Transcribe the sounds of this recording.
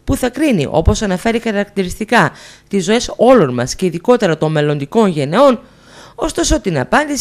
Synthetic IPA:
puθɐkɾinḭʔo̞po̞sɐnɐfe̞ɾixɐɾɐkt̪iɾist̪ikɐt̪izo̞e̞so̞lo̞nmɐsce̞iðiko̞t̪e̞ɾɐt̪o̞mme̞lo̞nd̪iko̞nʝe̞ne̞o̞n | o̞st̪o̞so̞t̪inɐ̰pɐnd̪is

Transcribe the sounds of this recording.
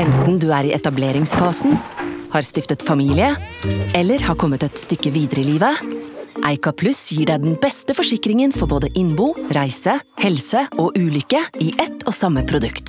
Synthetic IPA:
ɛnt̪n̩d̪ʉːæːɾiːʔɛt̪ɑbleːɾɪŋsfɑːsn̩hɑːɾst̪ɪft̪ət̪fɑmiːlɪəɛlːəɾhɑːɾkʰɔmːət̪ɛt̪st̪ʏkːəʋiːd̪əɾəɪliːʋəʔæɪkɑpʰlʉsjiːɖæɪd̪ɛnbɛst̪əfɔʂɪkɾɪŋənfɔɾboːd̪əʔɪnbuːɾæɪsəhɛlsəɔːʔʉːlʏkəiːʔɛt̪ʰːoːsɑmːəpʰɾʊd̪ʉkt̪

